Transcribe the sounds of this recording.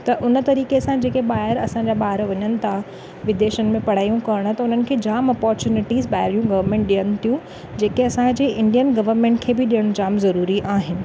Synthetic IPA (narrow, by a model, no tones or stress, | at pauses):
t̪ɐʔʊnət̪ɐɾiːkesãd͡ʑeːkeɓaːɦɪɾɐsãɲd͡ʑaːɓaːɦɪɾʋɐɲənɪ̆t̪ʰa | ʋɪd̪eːʃənɪ̆mẽpɐɽ̤aːjũkɐəɽ̃ʊt̪ɐʊnənɪ̆kʰeːd͡ʑaːmɔːpɔːɾt͡ɕuːnɪʈiːzɓaːɪɾjũɡɐʋəɾmẽːɳʈɗijəɽ̃ɪ̆t̪ʰijũ | d͡ʑeːkeɐsãd͡ʑeʔɪ̃ɳɖijənɡɐʋəɾmẽːɳʈ̚kʰeːbɪɗijəɽ̃ʊd͡ʑaːmzɐɾuːɾiʔaːɦɪnɪ̆